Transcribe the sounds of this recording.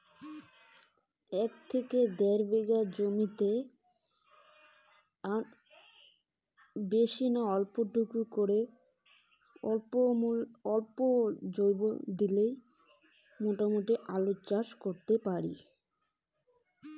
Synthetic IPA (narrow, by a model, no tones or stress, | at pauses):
ɛkt̪ʰeked̪ɛɾbeɡad͡ʑomit̪e | aɾ | beʃinoɔlpoʈukukoɾe | ɔmulɔlpod͡ʑojbo̰d̪ilej | moʈamoʈiʔalotːt͡ɕaʃkoɾt̪epaɾḭ